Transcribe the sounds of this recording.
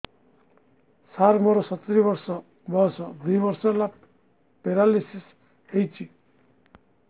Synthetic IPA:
saɾmɔɾɔsɔt̪ɾibɔɾsɔ | bɔsɔd̪ujbɔɾsɔla | peɾalisis | hejt͡ʃʰi

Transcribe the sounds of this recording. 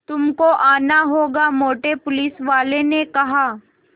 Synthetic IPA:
t̪ʊmkoʔaːnaɦoːɡamoːʈepʊliːsʋaːlenekɐɦaː

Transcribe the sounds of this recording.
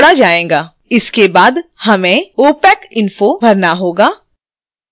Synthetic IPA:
ɽad͡ʒaːẽːŋɡaː | ɪskebaːd̪hɐmẽoːpɛːkɪnfobʱɐɾnaɦoːɡaː

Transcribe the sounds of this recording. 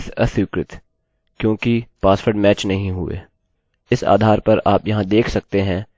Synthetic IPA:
t̪ʰɐt̪wɪkɾɪt̪ | kjõːkipaːsfəɾɖmɛːt͡ʃnɐɦĩɦʊḛː | ɪsa̰ːd̪ʱaːɾpɐɾaːpjɐɦãd̪eːkʰsɐk̚t̪eɦɛ̃ː

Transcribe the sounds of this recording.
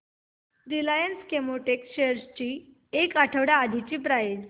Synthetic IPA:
ɾilajənskemoʈekɕeəɾst͡ɕiː | ekaʈʰəʋɽjaːd̪ʱit͡ɕiːpɾajed͡ʑ

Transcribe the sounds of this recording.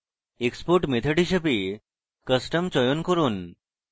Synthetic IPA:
ekspoɾʈmet̪ʰəʈiʃəpi | kəsʈəmt͡ɕɔjonkɔɾun

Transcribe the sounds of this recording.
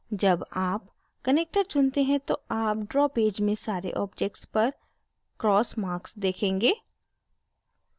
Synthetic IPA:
d͡ʒɐbaːp | kɐneːk̚ʈəɾt͡ʃʊnt̪eɦɛ̃t̪oaːp̚ɖɾɔːpeːd͡ʒmẽsaːɾḛʔɔːpd͡ʒeːk̚ʈspɐɾ | kɾɔːsmaːɾksd̪eːkʰẽːŋɡeː

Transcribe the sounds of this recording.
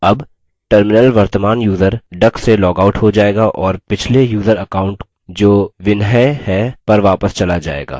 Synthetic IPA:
ɐb | ʈəɾmɪnəlʋɐɾt̪əmaːnjuːzəɾɖɐkselɔːɡaʊʈɦod͡ʒaːeːɡaʔɔːɾpɪt͡ʃʰlejuːzəɾɐkaːʊ̃ɳʈ | d͡ʒoːʋɪnɦəhɛpɐɾʋaːpəst͡ʃɐlad͡ʒa̰ːḛːɡa̰ː

